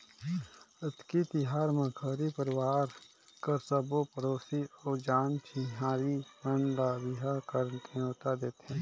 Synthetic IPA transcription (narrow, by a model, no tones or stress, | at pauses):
ɪt̪kit̪ɪɦaːɾmə̃ɡʰʱəːɾipəɾɪwaːɾ | kəɾsəbopəɾoːsioːd͡ʒaːntʰiɦaːɾimənlabɪɦakəɾt̪ʰẽot̪ad̪eːt̪ɛ̃ː